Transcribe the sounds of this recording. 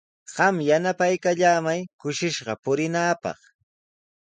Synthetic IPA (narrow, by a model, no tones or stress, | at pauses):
ɢ̥ɑmjanapajkaʎaːmajkʊʃɪʃɢɑpʊɾɪnaːpɑ̰χ